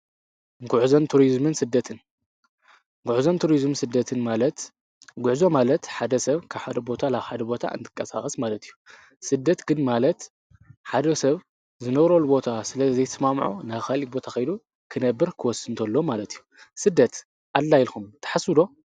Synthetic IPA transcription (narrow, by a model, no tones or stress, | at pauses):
ɡuʕzont̪ʰuɾizmɨnsɨd̪ːɐt̪ʰɨn | ɡʊʕzont̪ʰuɾizmsɨd̪ːɐt̪ʰɨnmalɐt̪ | ɡʊʕzo̞malɐt̪ħad̪ɐsɐβkʰaβħad̪ɐbo̞t̪ʰalaβħad̪ɐbo̞t̪ʰa̰ʔɨ̰nt̪ʰɨ̥kʼːɐsaxʼɐsmalɐt̪ʰijːu | sɨd̪ːɐt̪ɡɨnmalɐt̪ | ħad̪ɐsɐβ | zɨnɐβɾo̞lbo̞t̪ʰasɨlɐzɐjt̪ɐsmamʕo̰naβkalibo̞t̪ʰaxɐjd̪u | kʰɨnɐbːɨɾkʰɨwɔsːɨnt̪ʰɐlːo̞malɐt̪ʰijːusɨd̪ːɐt̪ | ʔalːajɪlxumt̪ʰɐ̥ħasɨd̪o̞